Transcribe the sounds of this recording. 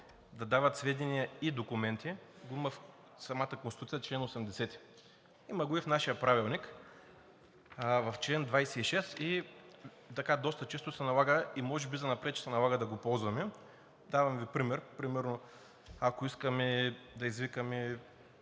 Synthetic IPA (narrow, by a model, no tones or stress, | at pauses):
d̪ɐd̪avɐt̪svɛd̪ʲɛnijɐid̪okʊmɛnt̪iɡoimɐf | sɐmat̪əkonst̪usiət͡ʃlɛnosɛmd̪ɛsɛt̪i̥ | imɐɡʊifnaʃijəpɾavilˠnik | vɐft͡ʃlɛnd̪vajsɛiʃɛst̪i | t̪ɐkad̪ɔst̪ɐt͡ʃɛst̪ʊsɛnɐlˠaɡəimɔʒɛbizɐnɐpɾɛt̪̚t͡ʃːɛ̥sɛnɐlˠaɡəd̪ɐɡopɔlˠzvɐmɛ | d̪avɐmvipɾimɛɾpɾimɛɾno | akoiskɐmɛd̪ɐizvikəmɛ